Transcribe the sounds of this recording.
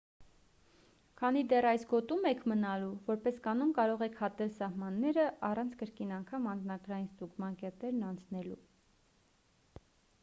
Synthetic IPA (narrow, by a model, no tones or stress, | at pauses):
kʰɑnid̪ɛrɑjsɡɔt̪umɛkʰmənɑluvɔɾpɛskɑnumkɑɾɔʁɛkʰhɑt̪ɛlsɑhmɑnːɛɾəʔɑrɑnt͡sʰkəɾkinɑŋkʰɑmɑnd͡znɑɡɾɑjinst̪uɡmɑnkɛt̪ɛɾnɑnt͡sʰnɛlṵ